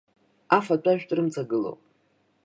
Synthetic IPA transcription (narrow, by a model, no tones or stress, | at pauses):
afat͡pʷʼaʒᶣtʼrɨmt͡sʼaɡɨlo̰wpʼ